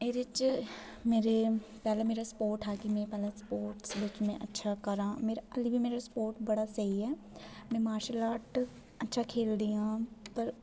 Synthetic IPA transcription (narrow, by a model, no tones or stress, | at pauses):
eɾɪt͡ʃ | meːɾepɛːlameːɾaspoːɾʈɦɛːkimɛ̃pɛːlaspoːɾʈsʋɪt͡ʃmɛ̃ʔɐtːʃʰakɐɾãːmeːɾaɐlibʱimeːɾaspoːɾʈbɐɽasɐɦiɦɛː | mɛ̃maːɾʃəlaːʈ | ɐtːʃʰakʰeːld̪ijãːp̪əɾ